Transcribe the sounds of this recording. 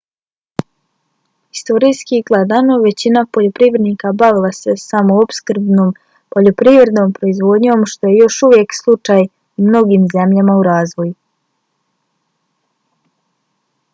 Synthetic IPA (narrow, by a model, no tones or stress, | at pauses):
i̥st̪o̞ɾijskiɡlˠad̪anoʋe̞t͡ɕinapo̞ʎo̞pɾivɾe̞d̪nikabaʋilˠase̞samoopskɾ̩bnoːm | po̞ʎo̞pɾivɾe̞d̪no̞ːmpɾo̞izʋo̞d̪ɲo̞mʃt̪o̞je̞jo̞ʃuʋje̞kslˠut͡ʃaj | mno̞ɡiːmze̞mʎamauɾaːzʋo̞ju